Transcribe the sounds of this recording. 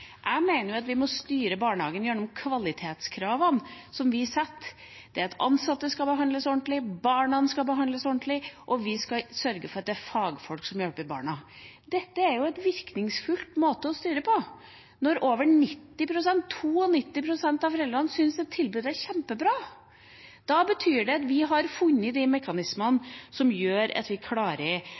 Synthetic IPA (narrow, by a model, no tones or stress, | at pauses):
ʔæɪmeɪnəɾjʊɑt̪ʋɪmɔst̪yːɾəbɑːɳhɑːɡənjænːɔmkʰʋɑlɪt̪ʰeːt̪skʰɾɑːʋənsɔmʋɪsɛt̪ː | d̪̥ɛæɾɑt̪ʰɑ̰nsɑt̪ːəskɑbəɦɑnd̪ləsɔɳt̪lɪbɑːɳɑnskɑbəɦɑnd̪ləsɔɳt̪lɪʔɔʋɪskɑsœɾɡəfɔɾɑt̪̚d̪ɛæɾfɑːɡfɔlksɔmjɔlpəbɑ̰ːɳɑd̪ɛt̪ːəæɾjʊɛt̪ʋɪɾknɪŋsfʉlt̪moːt̪əɔst̪yːɾəpʰɔ | nɔɾoːʋəɳɪt̪ːɪpʰɾʊsɛnt̪ʰːuːɔnɪt̪ːɪpʰɾʊsɛnt̪ɑʋfɔɾɛld̪ɾɑnsʏnsd̪ɛt̪ʰːɪlbʉːd̪əæɾçɛmpəbɾɑː | d̪̥ɑbət̪ʰyːɖɛɑt̪ʋɪɦɑɾfʉnːəd̪ɛmɛkɑnɪsmənsɔmjøːɾɑ̰t̪ʋɪkʰlɑːɾə